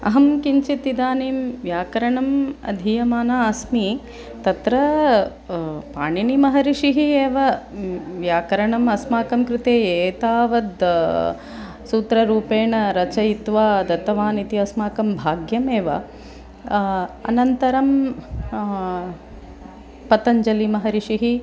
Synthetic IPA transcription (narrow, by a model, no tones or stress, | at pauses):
ɐ̰ɦɐmkiɲt͡ʃit̪id̪aːneːmʋjaːkɐɾɐɳɐmɐ̰d̪ʱijɐmaːnaːɐsmi | t̪ɐt̪ɾɐ | paːɳinimɐɦɐɾiʂiɦieːʋɐ | ʋjaːkɐɾɐɳɐmɐsmaːkɐmkɾɪt̪eːeːt̪aːʋɐd̪ | suːt̪ɾɐɾuːpeːɳɐɾɐt͡ʃɐjit̪ʋaːd̪ɐt̪ɐʋaːnit̪iɐsmaːkɐmbʱaːɡjɐmeːʋɐ̰ | ɐ̰nɐnt̪ɐɾɐm | pɐt̪ɐɲd͡ʒɐlimɐɦɐɾiʂiɦi